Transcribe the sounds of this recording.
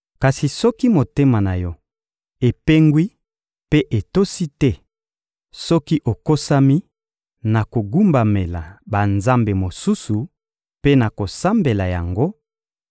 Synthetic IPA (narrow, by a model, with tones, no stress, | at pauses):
ka˨si˨sɔ˦ki˦mo˨te˦ma˨na˨jɔ˦ | e˨pe˦ŋɡwi˦ | pe˦ʔe˨to˦si˦tɛ˦ | sɔ˦ki˦ʔo˨ko˦sa˦mi˦ | na˨ko˨ɡu˦mba˨me˨la̰˨ba˨nza˦mbe˨mo˨su˦su˨ | pe˦na˨ko˨sa˦mbe˨la˨ja̰˨ŋɡo˦